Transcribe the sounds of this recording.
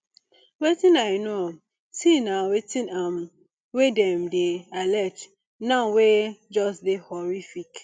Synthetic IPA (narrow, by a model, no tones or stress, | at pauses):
wetĩnajnoam | sinawetĩnam | wedɛmdealɛt | nãʊwed͡ʒɔstdehɔɹifik